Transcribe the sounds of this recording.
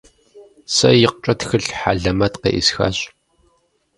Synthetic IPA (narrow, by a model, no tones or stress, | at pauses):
sɐ̰jɪq̚t͡ʃʼɐtxɨɬħaːɮɐmɐtqḛʔisxa̰ːɕ